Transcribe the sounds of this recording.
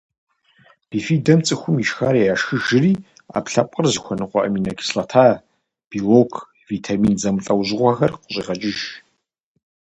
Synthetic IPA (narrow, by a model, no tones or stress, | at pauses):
d̥iːfiːdɐmt͡sʼɨxʷʊmiʃxaːɾijaːʃxɨʒɪriː | a̰ːpɬɐpʷʼərzɨxʷɔnɨqʷɔ̰ʔɐmiːnɐɡi̥slɐtʰaː | b̥iloːkʰ | viːtʰamiːnzɐmɨɬʼɐwʑʁʷɐxɐrqʷʊɕʼiːʁɐt͡ʃʼɪʒ